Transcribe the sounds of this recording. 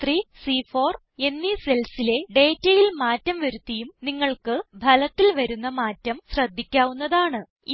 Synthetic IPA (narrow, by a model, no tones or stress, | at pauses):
t̪ʰriːsiːfoːr | e̞nːise̞lsile̞ɖe̞ːtːɐjilmaːtːɐmʋɐɾut̪ːɐjumniŋːɐɭkɨbʱɐlɐt̪ːilʋɐɾunːɐmaːtːɐmɕrɐd̪ʱːikʲːaːʋunːɐðaːɳɨ